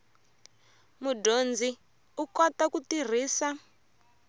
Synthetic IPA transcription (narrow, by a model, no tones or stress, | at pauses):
mudond͡zi | ukɔtakutir̤iːsa